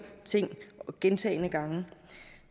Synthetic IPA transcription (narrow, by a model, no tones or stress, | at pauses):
t͡sʰe̝ŋ̰ɡ̥ent͡sʰɛ̰ɪnəɡ̥ɑ̈ŋə